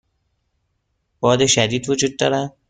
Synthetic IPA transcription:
b̥ɒːd̪eʃæd̪iːd̪vod͡ʒuːd̪̚ːɒːɾæ

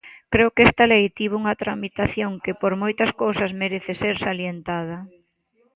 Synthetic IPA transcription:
kɾeʊkest̪alejt̪iβ̞uŋɐt̪ɾamit̪aθjoŋkepoɾmojt̪ɐskowsɐsmeɾeθeseɾsaljent̪að̞ɐ

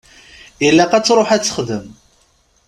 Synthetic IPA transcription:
jəlːæqæt͡sːɾˤoħæt͡sːə̥χðəm

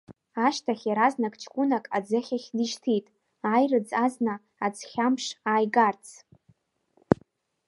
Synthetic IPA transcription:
aʃtʰaχʲaɾaznakʼt͡ʃʰkʷʼʊnakʼa̰d͡zɨχʲaχʲdiʃtʰitʼ | aːjrɨd͡zazna | ad͡zχʲamʂaːjɡart͡sʰ

